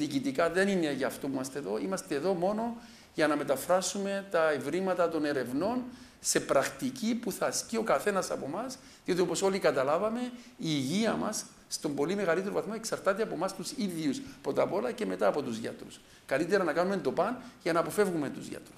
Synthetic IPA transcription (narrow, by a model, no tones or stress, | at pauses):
ðiːcit̪ikɐðe̞nine̞ʝɐːft̪opuimɐst̪eðoimɐst̪eːðo̞mo̞no̞ | ʝɐnɐme̞t̪ɐfɾasume̞t̪ɐevɾimɐt̪ɐt̪o̞ne̞ɾe̞vno̞n | se̞pɾɐxt̪icipuθɐscio̞kɐθe̞nɐsɐ̰po̞mɐs | ðio̞t̪iopo̞so̞likɐt̪ɐlavɐme̞iːʝiɐmɐ̰sː | t̪o̞mbo̞lime̞ɣɐlit̪eɾovɐθmoeksɐɾt̪at̪eɐpo̞mɐst̪usiðjuspɾo̞t̪ɐpo̞lɐce̞me̞t̪aːpo̞t̪uzʝɐ̰t̪ɾṵs | kɐlit̪eɾɐnɐkanumend̪o̞pɐnʝɐnɐːpo̞fe̞vɣume̞nt̪uzʝa̰t̪ɾus